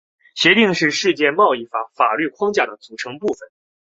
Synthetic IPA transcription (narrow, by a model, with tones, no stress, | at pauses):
ɕjɛ˧˥t̪i˥˧ŋʂɻ̩˥˧ʂɻ̩˥˧t͡ɕjɛ˥˧mɑ˥˧ʊi˥˩fa˧˥fa˨˩ly˥˩kʰwɑ˥ŋt͡ɕja˥˩d̪ə˩t͡su˨˩ʈ͡ʂʰɤ˧˥ŋpu˥˩fə˩n